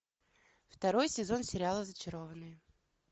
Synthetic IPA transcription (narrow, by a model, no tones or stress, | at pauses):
ft̪ɐɾo̞jsʲɪzo̞nsʲɪɾʲɪalˠəzət͡ɕɪɾo̞vənːɨjə